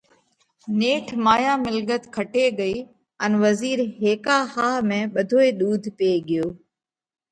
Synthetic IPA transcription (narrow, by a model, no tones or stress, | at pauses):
neːʈʰmaːjãːmɪlɠət̪kʰɐʈeɡəiː | ənʋɐziːɾɦeːkaːhaːɦmẽːɓɐd̪ʱoːeɗ̪uːd̪ʱpeːɠɪjoː